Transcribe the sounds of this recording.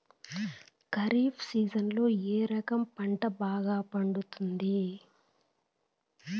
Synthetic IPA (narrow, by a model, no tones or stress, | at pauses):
kɐɾiːpʰsiːd͡ʒɐnlo̞ːeːɾɐkɐmpɐɳʈɐbaːɡaːpɐɳɖut̪und̪i